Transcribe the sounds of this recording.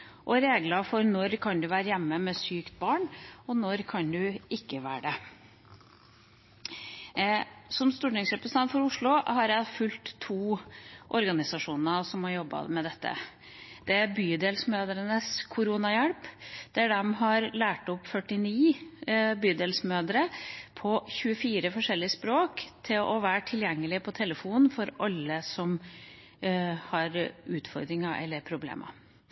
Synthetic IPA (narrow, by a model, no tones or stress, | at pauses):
ʔɔɾeːɡlɑfɔɾnɔɾkʰɑnd̪ʉʋæːɾəjæmːəmɛsyːkt̪̚bɑːɳɔnɔɾkʰɑnd̪ʉɪkːəʋæːɖə | sɔmst̪uːʈɪŋsɾɛpɾəst̪ʰɛnt̪fɔɾʊʂɭʊhɑɾjæɪfʉlt̪ʰːuːʔɔɾɡɑnɪsɑʂuːnnəsɔmhɑɾjɔbːɑ̰mɛd̪ɛt̪ːə̰ | d̪̥ɛæɾbyːd̪eːlsmøːd̪əɾənəskʰʊɾuːnɑjæɽpd̪̥ææɖɛmɦɑɾlæːʈɔpːfœʈːɪniː | byːd̪eːlsmøːd̪əɾəpʰɔçʉəfiːɾəfɔʂɛlːɪəspɾoːkt̪ʰɪlʔɔʋæːɾʈʰɪljɛŋːəlɪpʰɔt̪ʰɛləfuːnfɔɾʔɑlːəsɔm | hɑɾʉːt̪fɔɾd̪ɾɪŋɑʔɛ̰lːəɾpʰɾʊblḛːmʔə̰